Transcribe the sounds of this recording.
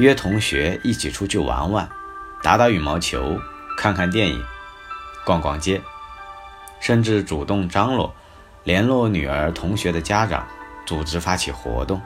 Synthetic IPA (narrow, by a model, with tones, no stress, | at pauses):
ɥɛ˥t̪ʰʊ˧˥ŋɕɥɛ̰˧˥i˥˩t͡ɕʰi˨˩ʈ͡ʂʰu˥t͡ɕʰy˥˩wa̰˧˥nwa˥˩nt̪a˧˥t̪a˥˩ʊy˨˩mɑ˧˥ʊt͡ɕʰjo̰˧˥ʊ | kʰa˥˧nkʰa˥˧nt̪jɛ˥˩nḭ˨˩˦ŋ | kwɑ˥˩ŋkwɑ˥ŋt͡ɕjɛ˥ | ʂə˥˧nʈ͡ʂɻ̩˥˩ʈ͡ʂu˨˩t̪ʊ˥˩ŋʈ͡ʂɑ˥ŋlwɔ̰˥˩ | ljɛ˧˥nlwɔ˥˩ny̰˨˩ə̰˞˧˥t̪ʰʊ˧˥ŋɕɥɛ˧˥d̪ə˧t͡ɕja˥ʈ͡ʂɑ̰˨˩˦ŋt͡su˨˩ʈ͡ʂɻ̩˧˥fa˥t͡ɕʰi˨˩xwɔ̰˧˥t̪ʊ˥˩ŋ